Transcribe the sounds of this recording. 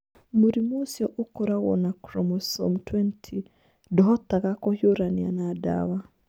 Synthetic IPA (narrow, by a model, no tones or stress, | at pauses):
muɾimusjɔʔukɔɾaɣɔ̰nakɾɔmɔsɔ̰mtʰwɛntʰi | dɔɦɔt̪aɣakɔhjuɾanianada̰wa